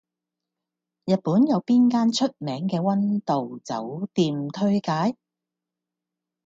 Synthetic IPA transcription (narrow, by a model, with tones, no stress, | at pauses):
jɐ˨t̚puː˨˥njɐ˨˧wpiː˥nkaː˥nt͡ʃʰɵ˥t̚mɛː˨˥ŋkɛː˧wɐ˥nt̪o˨wt͡sɐ̰˨˥wt̪iː˨mt̪ʰɵ˥ɥkaː˨˥j